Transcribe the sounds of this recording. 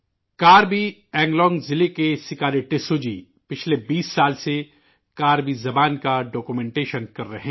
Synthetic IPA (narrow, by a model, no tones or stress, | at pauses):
kaːɾbi | ɛ̃ːŋɡlɔ̃ːŋɡzɪlekesɪkaːɾeʈɪsoːd͡ʒḭː | pɪt͡ʃʰlebiːsːaːlse | kaːɾbizɐbaːnkaɖɔːkumɛ̃ːɳʈeːʃənkɐɾːɐɦɛ̃ː